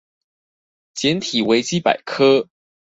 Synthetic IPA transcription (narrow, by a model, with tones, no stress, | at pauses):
t͡ɕjɛ˧˥nt̪ʰi˨˩we˧˥ɪt͡ɕi˦˥pa̰˨˩ɪkʰɤ˥